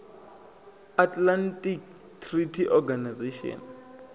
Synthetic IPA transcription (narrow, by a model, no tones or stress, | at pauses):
atʼlantʼik̚ | tʰritʰiʔɔɡanazeʃɔ̰n